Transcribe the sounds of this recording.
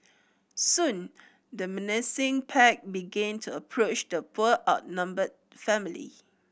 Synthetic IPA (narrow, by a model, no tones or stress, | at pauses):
sũn | dəmɛnɛsɪ̃ŋpʰɛk̚biɡɛ̃ntʰuəpʰɹot͡ʃdəpʰuəʔaʊt̚nãmbəd̚ | fɛ̃milḭ